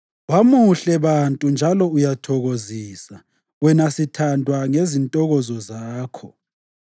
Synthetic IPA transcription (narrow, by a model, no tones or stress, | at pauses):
wamuɬɛβantʼund͡ʒʱalɔujatʰɔɣoziːsa | wɛnasitʰandʱwaŋezintʼɔɣɔzɔzaːkʰɔ